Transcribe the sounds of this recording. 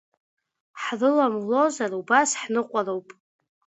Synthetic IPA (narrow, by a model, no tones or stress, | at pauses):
ħrɨlamlo̞zarubasħnɨqʷʼarowpʼ